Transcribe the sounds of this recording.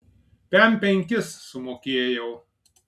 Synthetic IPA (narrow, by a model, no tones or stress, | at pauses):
pʲɛmpʲɛŋʲkʲɪsːʊmoːkʲeːjɛʊ